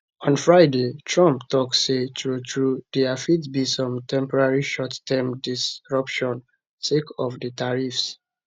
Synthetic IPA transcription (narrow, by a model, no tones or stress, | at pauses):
ɔ̃nfɹaɪdetʰɹɔ̃mptɔksetɹutʰɹudɛafitbisɔ̃mtʰɛ̃mpɔɹaɹiʃɔttʰɛmdisɹɔpʃɔ̃n | sekɔfdətʰaɹifs